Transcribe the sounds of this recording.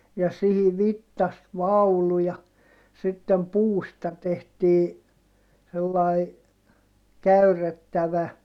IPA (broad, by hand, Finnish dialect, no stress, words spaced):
jɑ sihi ʋitːɑst ʋɑulu jɑ sitːem puːstɑ tehtiː selːɑi kæyrˑetːæʋæ